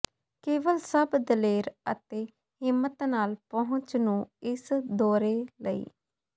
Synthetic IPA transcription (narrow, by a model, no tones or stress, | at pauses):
keːʋəlsəbd̪əleːɾə̰t̪eː | hɪmːət̪naːlpəɦʊ̃t͡ʃnũːɪsd̪oːɾeːləḭː